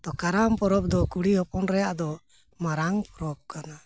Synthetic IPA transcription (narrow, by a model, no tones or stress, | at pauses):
t̪ɔkaɾampɔɾɔp̚d̪ɔkuɽihɔpɔnɾɛjaʔd̪ɔ | maɾaŋpɔɾɔp̚kana